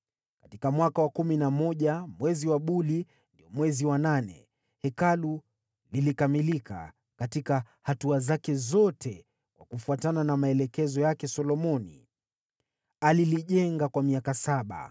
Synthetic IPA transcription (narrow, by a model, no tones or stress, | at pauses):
kḁtikamwakawakuminamɔʄamwɛziwaɓuli | ndiɔmwɛziwananɛ̰ | hɛkalu | lilikamilika̰ | katika | hatuazakɛzɔtʰɛ | kwa̰kufuatananamaɛlɛkɛzɔjakɛsɔlɔmɔnḭ | aliliʄɛŋɡakwamiakasaɓa̰